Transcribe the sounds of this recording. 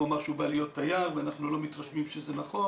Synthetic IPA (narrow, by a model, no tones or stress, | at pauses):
omaʃubalijo̞t̪ːajaʁveanaχnulo̞mit̪ʁaʃvimʃezenaχo̞